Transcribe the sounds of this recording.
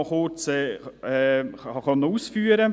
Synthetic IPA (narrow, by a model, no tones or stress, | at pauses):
χʊt͡sɛɛɑχɑnuːsfyːəɾə